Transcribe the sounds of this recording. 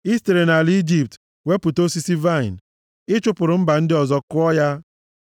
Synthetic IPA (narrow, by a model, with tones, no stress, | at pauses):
i˦ste˨ɾe˨na˨li˦d͡ʒi˨p̚t | we˦pu˨to˦si˦si˦va˦˨ɪ˨n˨ | ɪ˦t͡ʃʊ˦pʊ˨ɾʊ˨m̩˦ba˨n̩˦dɪ˦ɔ˨zɔ˦kʊ˦ɔ˦ja˦